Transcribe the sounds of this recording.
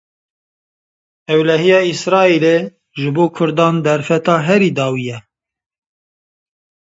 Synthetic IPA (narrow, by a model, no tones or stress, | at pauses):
ɛwlɛɦijɑːisɾɑːile | ʒɨboːkʰʊɾd̪ɑːnd̪ɛɾfɛt̪ɑːɦɛɾiːd̪ɑːwijɛ